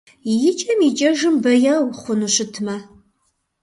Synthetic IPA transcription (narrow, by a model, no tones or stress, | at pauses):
jɪt͡ʃʼɐmit͡ʃʼɐʒɨmbɐjɐwχʷʊnuɕɪtʰmɐ